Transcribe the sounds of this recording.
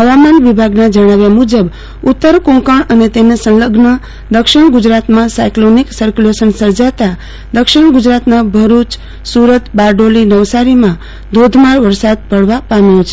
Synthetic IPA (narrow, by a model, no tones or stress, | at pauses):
ɦəʋamanʋibʱaɡnad͡ʒəɽ̃aʋjamud͡ʒəb | ʊt̪ːəɾkõŋkaɳənet̪enesə̃nləɡnə | d̪əkʃɪɽɡʊd͡ʒɾat̪mãsajkloniksəɾkulesənsəɾd͡ʒat̪a | d̪əkʃɪɳɡʊd͡ʒɾat̪nabʱəɾut͡ʃ | suɾət̪baɾɖolinəʋsaɾimã | d̪od̪ʱmaɾʋəɾsad̪̚pəɭʋapamjõt͡ʃʰe